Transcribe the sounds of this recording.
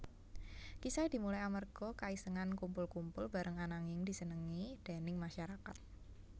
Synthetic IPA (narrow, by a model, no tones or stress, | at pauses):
kisajd̥i̤mulajamərɡ̥ɔkaisəŋankumpʊlkumpʊlba̤ɾəŋanaŋɪŋdisənəŋid̥a̤nɪŋmaʃaɾakat̪̚